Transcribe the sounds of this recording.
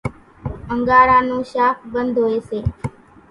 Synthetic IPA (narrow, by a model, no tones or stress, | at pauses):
əŋɡaːɾaːnũːʃaːpʰbənd̪ʱoːeːseː